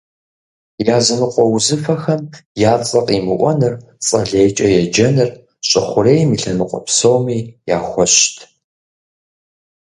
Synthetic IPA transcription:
jaːzɨnɨqʷʼɔwzɨfɐxɐmjaːt͡sʼɐqʼimɨʔʷɔnɨr | t͡sʼɐɮeːjt͡ʃʼɐjɛd͡ʒɐnɨr | ɕʼɪχʷʊɾeːjmiɬɐnɨqʷʼɔ̰psowmiːja̰ːxʷɔɕtʰ

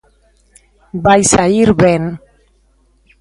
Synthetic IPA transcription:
bajsaiɾβen

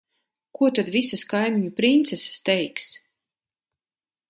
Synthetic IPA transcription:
kuɔt̪ad̪visaskajmʲiɲupɾint̪sɛsḁst̪ɛjks

